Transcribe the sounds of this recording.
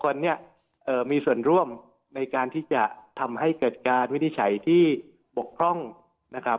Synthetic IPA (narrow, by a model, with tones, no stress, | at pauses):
kʰo˧nːi˥˩ɐ | ʔɤː˨˩miː˧su˨˩ənɾu˥˩əm | na˧jkaː˧nt̪ʰiː˥˩t͡ɕa˨˩t̪ʰa˧mɦa˥˩jkɤː˨˩t̪̚kaː˧nwi˦˥˩ni˦˥t͡ɕʰa˩˦jt̪ʰiː˥˩ | bo˨˩k̚pʰɾɔ˥˩ŋ | na˦˥kʰɾa˦˥